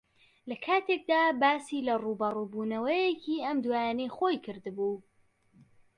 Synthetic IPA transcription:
lɐkʰaːt̪ʰek̚d̪aːbaːsiːlɐruːbɐrubuːnɐwɐjekʰiɐmd̪waːjaːnejχojkʰɨɾd̪ɨbuː

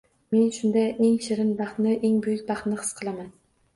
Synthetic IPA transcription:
me̞nʃʊnd̪aʔeŋʃɪɾɪnbɑχt̪nɪʔeŋbʊjʊk̚ʲbɑχt̪nɪχɨ̥sqʰɨlˠaman

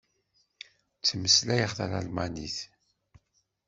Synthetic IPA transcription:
t͡sːməslæjəʁθælalmaniθ

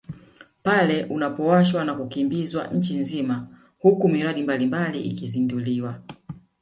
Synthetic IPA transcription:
palɛʔunapɔwaʃwanakukimbizwa̰ɲ̩t͡ʃinzima | hukumiɾaɗimbalimbaliʔḭkizinduliwa

